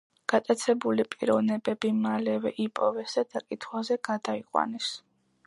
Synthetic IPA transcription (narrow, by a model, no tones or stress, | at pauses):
ɡ̥at̪ʼat̪sʰɛbulipʼḭɾɔvnɛbɛb̥imalɛvɛʔipʼɔvɛsad̪̥akʼit̪ʰχwazɛɡ̥ad̪aiqʼwa̰nɛs